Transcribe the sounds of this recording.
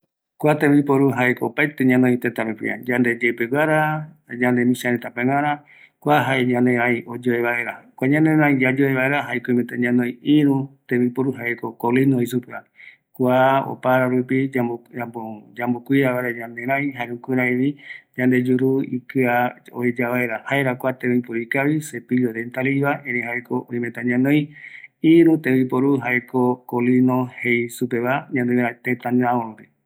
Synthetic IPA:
kʷat̪ẽmipoɾuɦaekoopajt̪eɲãnõĩt̪et̪aɾekḭa̰d͡ʒand̪ed͡ʒepeɡʷaɾad͡ʒand̪emĩʃaɾet̪apẽŋãɾã | kʷaɦaeɲãneɾãjʔod͡ʒoeβae̞ɾakʷaɲãneɾãjd͡ʒad͡ʒoeβaeɾaɦaekomet̪aɲãnõj̃iɾũt̪ẽmipoɾuɦaekokolinoisupea | kʷao̰paɾaɾupiaaod͡ʒãmbokʷiɾaβaɾad͡ʒãnd̪eɾãjɦaɾũkʷiɾaeβid͡ʒãnd̪ed͡ʒuɾuḭkɨao̰ed͡ʒaβaeɾahaeɾakʷat̪emeĩpoɾikaβisepid͡ʒoðent̪aliβaẽɾẽhaekoõĩmẽt̪ãɲãnõj̃iɾũt̪ẽβipoɾuɦaekokolinõhejsupeβaɲãnd̪ejɾãt̪et̪ãɲãoɾõɾe

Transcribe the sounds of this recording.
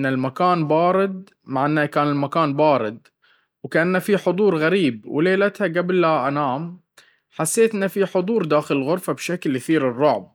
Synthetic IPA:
nːalmakaːnbɑːɾɪd̪̚ | maʕanːakaːnɪlmakaːnbɑːɾɪd̪̚ | wkaʔanːafiħʊd̪ˤuːɾɣaɾiːbwleːlat̪haɡablːaʔanaːm | ħasːeːt̪nafiħʊd̪ˤuːɾˤd̪aːxɪlɪlɣʊɾfabʃaklʔaθiːɾɪrˤːʊʕb̚

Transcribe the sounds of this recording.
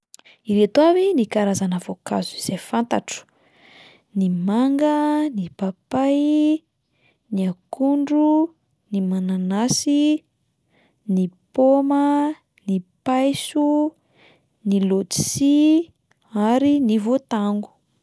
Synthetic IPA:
iɾet̪uavinikaɾazanəvoka̰zuz̥ejfant̪aʈ͡ʂu̥ | nimaŋɡənipapaj | niakuɳɖ͡ʐu | nimananasi | nipomə | nipajsu | nilodi̥si | aɾinivot̪aŋɡu̥

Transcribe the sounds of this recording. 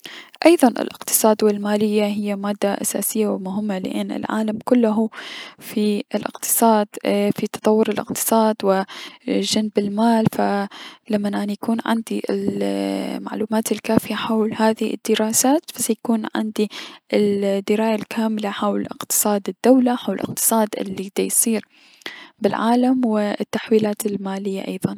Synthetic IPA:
ʔɑjðˤɑnʔɪ̰lʔɪ̰qt̪ɨ̥sˤɑːd̪wɪlmaːlɪjːaɦɪjːamaːd̪ːaʔasa̰ːsɪjːawɪmʊɦɪmːalɪ̰ʔɪnːɪ̰lʕa̰ːlamkʊlːʊɦufiɪlʔɪ̰qt̪ʰɨ̥sˤɑːd̪̥fit̪ɑ̥t̪ˤɑwːʊɾɪlʔɪ̰qt̪ɨ̥sˤɑːd̪wɪ | ʒanbɪlmaːlfalamːanʔanajakuːnʕɪ̰nd̪iʔɪ̰l | ma̰ʕluːmaːt̪ɪlkaːfɪjaħawlhaːðɪhiɪ̰d̪̥ːɪɾaːsaːt̪fasajakuːnʕɪ̰nd̪iʔɪld̪ːɪɾaːjalkʰaːmlaħawlʔɪ̰qt̪ɨ̥sˤɑːd̪ɪd̪̥ːawlaħawllʔɪ̰q̚t̪ɨ̥sˤɑːd̪ʔɪ̰lːiɡd̪ajsˤiːɾ | bɪlʕa̰ːlamwɪt̪ːaħwiːlaːt̪ɪlmaːlɪjːa̰ʔɑjðˤɑn

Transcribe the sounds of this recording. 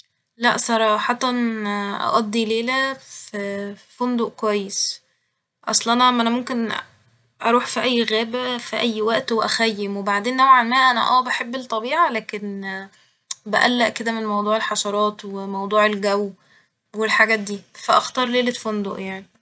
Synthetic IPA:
læ̰ʔsˤɑɾˤɑːħɑt̪ˤɑnʔɑ̰ʔɑd̪ˤːileːlæffond̪oʔkwæjːes | ʔɑ̰sˤlʔɑnæʔæmːʔænæmomken | ʔɑ̰ɾˤuːħfiʔæjːɣæːbæfiʔæjːwæʔt̪weʔæ̰xæjːemwebaʕd̪eːnːæwʕanmæːʔænæ̰ʔæːbæħebːelt̪ˤːɑbiːʕalæːken | bæʔælːæʔked̪æmenmɑwd̪ˤuːʕelħɑʃɑɾˤɑːt̪wemɑwd̪ˤuːʕelɡæw | welħaɡæːt̪̚d̪iːfæʔɑxt̪ɑːɾˤleːlet̪fond̪ˤoʔjaʕni

